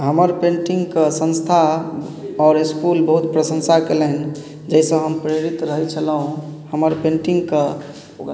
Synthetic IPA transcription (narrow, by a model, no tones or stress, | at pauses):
ɦəməɾpẽɳʈiŋɡkesə̃nst̪ʰa | ɔːɾiskulbəɦut̪pɾəsə̃nsakeləɦn | d͡ʒəisə̃ɦəmpɾeɾit̪ɾəɦɛt͡ʃʰəlɦũhəməɾpẽɳʈiŋɡk